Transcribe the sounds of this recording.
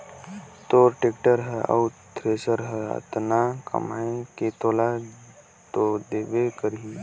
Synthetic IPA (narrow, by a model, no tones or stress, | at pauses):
t̪oːɾʈeːkʈəɾɦɛə̰ut̪ʰɾeːsəɾɦɛə̰t̪nakə̰maːẽket̪oːla | t̪od̪eːʋekəɾɦiː